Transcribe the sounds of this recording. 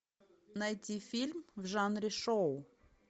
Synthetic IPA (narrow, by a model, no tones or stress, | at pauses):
nɐjt̪ʲifʲilʲmvʐanɾʲɪʂoʊ